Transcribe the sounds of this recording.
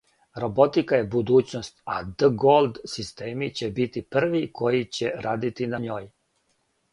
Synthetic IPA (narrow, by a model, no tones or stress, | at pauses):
ɾobo̞t̪ikajebud̪uːt͡ɕnost̪a̰d̪əɡolˠd̪sist̪eːmit͡ɕebit̪ipr̩ʋikʰo̞jit͡ɕeɾʔaːd̪it̪inaɲoːj